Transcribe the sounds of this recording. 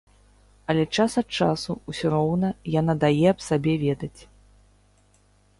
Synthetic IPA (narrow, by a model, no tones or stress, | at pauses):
ɐlʲɛt͡ʂasɐt̪̚t͡ʂasuusʲɔɾɔwnɐjan̪ad̪ajɛɐpsabʲɛvʲɛd̪ɐt͡sʲ